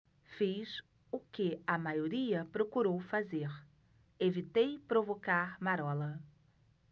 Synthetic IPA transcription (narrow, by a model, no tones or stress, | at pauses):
fis | ʊkɪɐmajoɾiɐpɾokuɾowfazeɾ | evit̪ejpɾovokaɾmaɾɔlɐ